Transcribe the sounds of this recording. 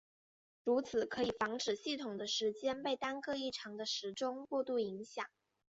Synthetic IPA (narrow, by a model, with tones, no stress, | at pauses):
ɻu˧˥t͡sʰɹ̩˨˩kʰɤ˧˥i˨˩fɑ˧˥ŋʈ͡ʂɻ̩˨˩ɕi˥˩t̪ʰʊ˨˩ŋd̪ə˦ʂɻ̩˧˥t͡ɕjɛ˥npe˥˩ɪt̪a˥nkɤ˥˧i˥˩ʈ͡ʂʰɑ˧˥ŋd̪ə˧ʂɻ̩˧˥ʈ͡ʂʊ˥ŋkwɔ˥˧t̪u˥˩i˧˥ŋɕjɑ̰˨˩˦ŋ